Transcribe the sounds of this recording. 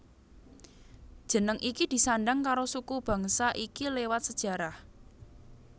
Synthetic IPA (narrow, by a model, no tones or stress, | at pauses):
d̥ʒ̥ə̤nəŋʔikid̪̥i̤saɳɖaŋkaɾosukub̥ä̤ŋsaʔikilewat̪̚səd̥ʒ̥ä̤ɾah